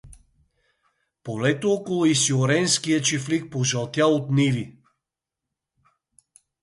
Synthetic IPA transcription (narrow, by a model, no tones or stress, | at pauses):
polɛt̪oɔkolˠʊisioɾɛnskijət͡ʃiflik̚poʒɐlˠt̪jaot̪nivi